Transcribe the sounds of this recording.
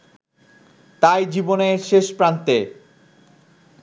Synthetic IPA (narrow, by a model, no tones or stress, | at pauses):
t̪ajd͡ʑiboneʃeʃpɾant̪e